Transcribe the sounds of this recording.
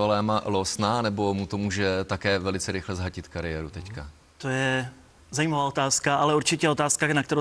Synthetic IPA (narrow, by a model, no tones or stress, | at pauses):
alɛːmalosnaːnɛbo̞mut̪o̞muːʒɛt̪akɛːvɛlɪt͡sɛɾɪxlɛzɦacɪt̪kaɾɪjɛːɾut̪ɛcka | t̪ojɛ | zajiːmavaːo̞t̪aːskaʔalɛuɾt͡ʃɪcɛɛo̞t̪aːskanakt̪ɛɾo